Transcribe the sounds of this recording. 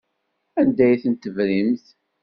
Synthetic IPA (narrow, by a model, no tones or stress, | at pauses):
ænd̪æjθənt̪əvɾimθ